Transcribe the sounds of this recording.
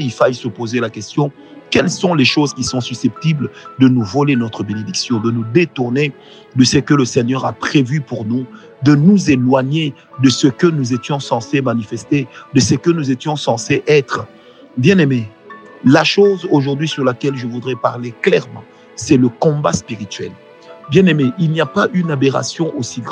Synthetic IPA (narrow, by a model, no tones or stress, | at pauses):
ilfajsəpozelakɛst̪jɔ̃ | kɛlsɔ̃leʃozkʲisɔ̃sysɛp̚t̪ibld̪ənuvɔlenɔt̪χəbened̪iksjɔ̃d̪ənud̪et̪uʁne | d̪əsəkələsɛɲœʁapχevypuʁnu | d̪ənuzelwaɲe | d̪əsəkənuzet̪jɔ̃sɑ̃semanifɛst̪ed̪əsəkənuzet̪jɔ̃sɑ̃seʔɛt̪χə | bjɛ̃neme | laʃozoʒuʁd̪ɥisyʁlakʲɛlʒəvud̪ʁɛpa̰ʁleklɛʁmɑ̰̃ | sɛləkɔ̃ba̰spiʁit̪ɥɛ̰l | bjɛ̃nemeʔilnijapaʔynabeʁa̰sjɔ̃ʔosiɡʁ